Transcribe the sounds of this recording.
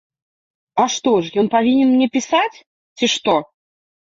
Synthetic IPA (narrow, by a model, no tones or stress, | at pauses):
ɐʂt̪ɔʂjɔnpavʲinʲɛnmnʲɛpʲisat͡sʲ | t͡sʲiʂt̪ɔ